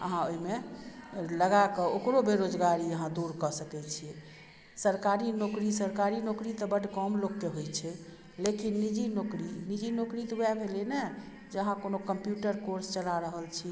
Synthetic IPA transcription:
ə̰ɦãoɦime | ləɡakɔokɾobeɾod͡ʒɡaɾiəɦãd̪uɾkəsəkɛt͡ʃʰiɛ | səɾkaɾinokɾisəɾkaɾinokɾit̪əbəɖʱkɔmlokːeɦojt͡ʃʰɛ | lekinːid͡ʒinokɾinid͡ʒinokɾit̪wɛbʱelene | d͡ʒəɦãkonokəmpjuʈəɾkoɾst͡ʃəlaɾəɦəlt͡ʃʰi

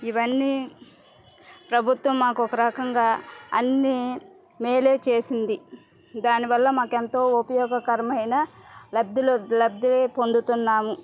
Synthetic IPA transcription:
iʋɐnːiː | pɾɐbʱut̪ʋɐmːaːkuɔkɐɾɐkɐŋɡaːɐ̰nːi | meːle̞ːt͡ʃe̞ːsind̪i | d̪aːniʋɐlːɐmaːkent̪o̞ːupɐjɔːɡɐkɐɾɐmɐjnɐlɐb̚d̪illɐb̚d̪ileːpond̪ut̪unːaːmu

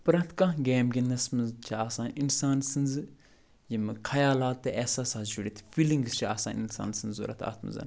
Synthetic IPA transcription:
pɨɾɐt̪ʰkɐ̃ɡeːmɡʲinːɐsmɨzt͡ʃʰiaːsaːninsaːnsɨnzɨ | jimɨkʰɐjaːlaːt̪ːeʔɛsaːsaːsd͡ʒuɽit̪ʰfiliŋɡzt͡ʃʰiaːsa̰ːninsa̰ːnsɨnzzo̰ːɾɐ̰t̪ʰa̰ːt̪mɨ̰zɐ̰n

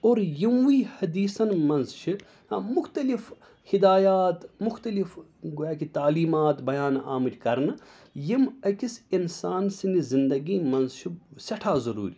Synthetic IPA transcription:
oːɾjimwiːhɐd̪iːsɐnmɐnzt͡ʃʰi | hamʊxt̪ɐlif | hid̪aːjaːt̪mʊxt̪ɐlifɡuaːkit̪aːliːmaːt̪bɐjaːna̰ːmɨtʲkɐɾnɨ | jimɐkisinsaːnsinizind̪ɐɡiːmɐnzt͡ʃʰisɐʈʰaːzɐɾṵːɾʲi

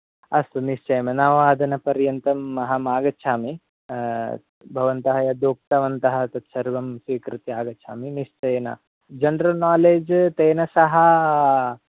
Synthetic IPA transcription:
ɐst̪uniʃt͡ʃɐjmɐnaʋaːd̪ʱɐnɐpɐɾjɐnt̪ɐmːɐɦɐmaːɡɐʃʰaːmi | bʱɐʋɐnt̪ɐɦɐjɐd̪oːk̚t̪ɐʋɐnt̪ɐɦɐt̪ɐt̪ʃɐɾʋɐmsʋiːkɾɨt̪iaːɡɐtt͡ʃʰa̰ːminiʃt͡ʃɐjnɐ̰ | d͡ʒɐnɖɾɐlnaːleːd͡ʒt̪eːnɐsɐɦɐ

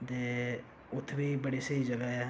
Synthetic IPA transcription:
d̪eː | ʊt̪ʰːʋiːbəɽisəid͡ʒəɡaɛ

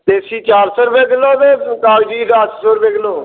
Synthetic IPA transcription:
t̪eːsiːt͡ʃaːɾsoːɾbeːɡɪloːd̪eːkaːd͡ʒiːd̪asʰsoːɾbeːɡɪloː

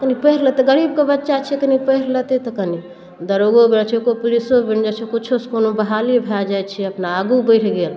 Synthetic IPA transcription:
kənipəɦɾlət̪eɡəɾib̚kebətːʃat͡ʃʰɛkənipəɦɾlət̪et̪əkəni | d̪əɾoɡobɾət͡ʃʰekopulisobind͡ʒat͡ʃʰekut͡ʃʰoskonobəɦalibʱad͡ʒajt͡ʃʰɛəpnaːɡubəɪʈʰɡel

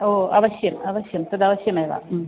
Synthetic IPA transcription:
oːɐ̰ʋɐɕjɐmɐʋɐɕjɐmt̪ɐd̪ɐʋɐɕjɐmajʋa̰ː

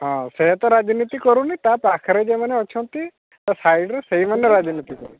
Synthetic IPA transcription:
ɦɔ̃seɦt̪ɔɾad͡ʒnit̪ikɔɾũnit̪apakʰɔɾed͡ʒemaneɔt͡ʃʰɔnt̪i | t̪asajɖɾeseɦimanːɔɾad͡ʒnit̪ikɔɾu

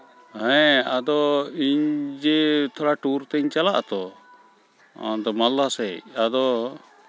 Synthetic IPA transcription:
hãɛad̪ɔiɲd͡ʒɛt̪ʰɔɽaʈuɾt̪ɛɲt͡ʃalaʔt̪ɔ | d̪ɔmalːasɛad̪ɔ

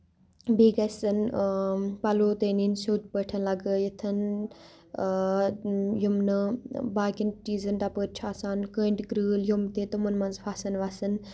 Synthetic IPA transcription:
biːɡɐsɨn | pɐloːt̪eːninsoːt̪pəʈʰɐnlɐɡəjet̪ʰɐn | jumnɨbaːɡʲint͡ʃiːzɐnʈ̪apəɾt͡ʃʰaːsaːnkəːɳʈɡɾɨːljumt̪et̪ɐmɐnmɐnzfʰaːsɐnʋasɨn

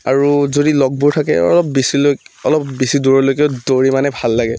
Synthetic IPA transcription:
aɹuzodilɔɡ̚buɹtʰakɛ̰ɔ̰lɔp̚bisiloɔlɔpbisiduɹɔlojkɛʊdoɹimanɛbʱalːaɡɛ

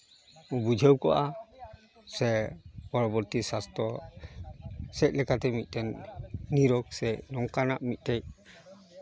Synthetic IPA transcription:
bud͡ʒʱəwkɔʔa | sɛpɔɹɔbɔɾt̪isast̪ɾɔ | sɛc̚lɛkat̪ɛmit̪̚ˀtɛnːiɾɔk̚sɛnɔŋkanaʔmit̪̚ˀtaj

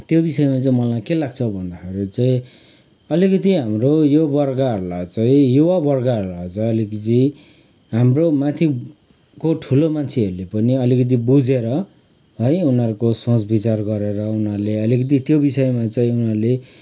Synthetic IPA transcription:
t̪jobisʌjmat͡saĩmʌlajkelaɡt͡sʰʌbʱʌnd̪akʰeɾit͡saĩ | ʌlikʌt̪iɦamrojobʌrɡaɦʌɾulajt͡saĩjuwabʌrɡaɦʌɾulajt͡sãʌlikʌt̪i | ɦamromãt̪ʰi | koʈʰulomant͡sʰeʌɾulepʌniʌlikʌt̪̬ibud͡zeɾʌ | ɦʌjunʌɾukosõt͡sbit͡sarɡʌɾeɾʌunʌɾleʌlikʌt̪̬it̪jobisʌjmat͡saĩunarule

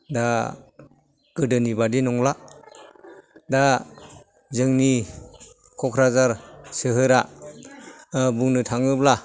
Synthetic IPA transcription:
da | ɡ̥ɯdɯnibadinɔŋla | da | zɯŋni | kʰɔkʰɾazaɾsɯɦɯɾa | buŋnɯtʰaŋɯpla

